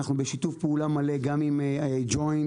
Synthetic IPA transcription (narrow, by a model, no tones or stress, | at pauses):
aχnubeʃitufpeulamale̞ɡamimd͡ʒo̞jn